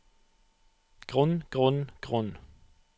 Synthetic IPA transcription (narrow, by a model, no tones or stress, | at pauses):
ɡ̥ʁʊnɡ̥ʁʉnɡ̥ʁʊn